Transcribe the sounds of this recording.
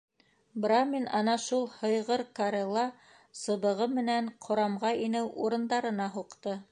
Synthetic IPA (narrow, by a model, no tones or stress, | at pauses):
brɑmʲinɑnɑʃulˠhɤ̆jʁɤɾkaɾʲelˠːɑ | sɤ̆βɤ̆ʁɤmɘ̆næɴqʰŏɾɑmʁɑinɘwuɾɤ̆nd̪ɑɾɤ̆nɑɦuqt̪ɤ